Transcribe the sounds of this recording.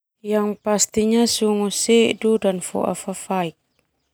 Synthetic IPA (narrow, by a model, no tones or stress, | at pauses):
jaŋpast̪iɲasuŋuseʔdudanfo̰ʔa̰fafaik̚